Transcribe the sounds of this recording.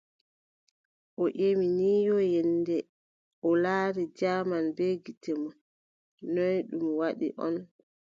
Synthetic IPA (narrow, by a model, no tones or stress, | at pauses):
ʔɔʔeminiːjɔjɛndɛ | ʔɔlaːɾid͡ʒaːmanbeɡitɛmɔ | nɔjɗumwaɗḭʔɔ̰n